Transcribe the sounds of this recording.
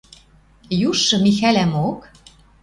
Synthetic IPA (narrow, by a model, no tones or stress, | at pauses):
juʃːɤ̆mixælæmok